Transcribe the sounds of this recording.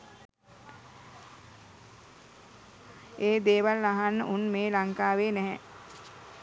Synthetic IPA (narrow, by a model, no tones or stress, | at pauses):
eːd̪eːʋalːaɦanːəʔunmeːlaŋkaːʋeːnɛɦɛ̃